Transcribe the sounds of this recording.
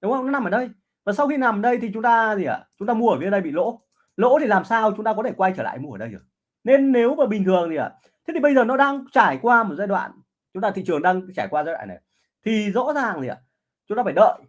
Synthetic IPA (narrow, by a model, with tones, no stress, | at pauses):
ɗʊ˨˦ŋ͡mŋə˧wnɔ˨˦na˨˩mʔəː˧˩ɗə˧j | vaː˨˩sa˧wxi˧na˨˩m˨˩ɗə˧jt̪ʰi˨˩t͡ɕʊ˨˦ŋ͡mt̪aː˧zi˨˩a̰˨˩t͡ɕʊ˨˦ŋ͡mt̪aː˧mu˧əː˧˩vi˨˧˦nɗə˧jɓḭ˧˨lo̰˧˥ | lo̰˧˥t̪ʰi˨˩laː˨˩msaː˧wt͡ɕʊ˨˦ŋ͡mt̪aː˧ɔ˨˦t̪ʰe˧˩kwa˧jt͡ɕəː˧˩la̰ː˧˨jmu˧əː˧˩ɗə˧jzə˨˩ | ne˧nːe˨˦wvəː˨˩ɓi˨˩ŋ̟t̪ʰɨ˨˩əŋt̪i˨˩a̰ː˨˩ | t̪ʰe˦t̪ʰi˨˩ɓə˧jzəː˨˩nɔ˨˦ɗaː˧ŋt͡ɕaː˧˩jkwaː˧mo˨˩t̚zaː˧jɗwa̰ː˧˨n | t͡ɕʊ˨˦ŋ͡mt̪aː˧˨t̪ḭ˧˨ɨ˨˩ə˩ŋɗaː˧ŋt͡ɕaː˧˩jkwaː˧zaː˧jwa̰ː˧˨nːa˨˩ | t̪ʰi˨˩zɔ̰˧˥zaː˨˩ŋzi˨˩ʔa̰ː˨˩ | t͡ɕʊ˨˦ŋ͡mt̪aː˧faː˧˩ɗə̰ː˧˨j